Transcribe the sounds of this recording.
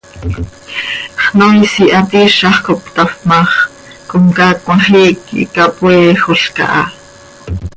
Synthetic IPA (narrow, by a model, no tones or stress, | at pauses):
χnojsiʔɑt̪iʃɑχkop̚t̪ɑfmɑχ | komkakwɑχiːkḭkapweːxoɬkɑ̰ʔɑ̰